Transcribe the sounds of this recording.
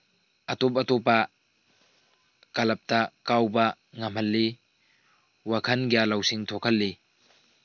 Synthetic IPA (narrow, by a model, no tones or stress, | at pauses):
ʔɐt̪ɔp̬ɐtɔpa | kɐlɐp̚t̪akawba | ŋɐmhɐlːi | wakʰɐnɡijalɐwsiŋt̪ʰɔkʰɐlːi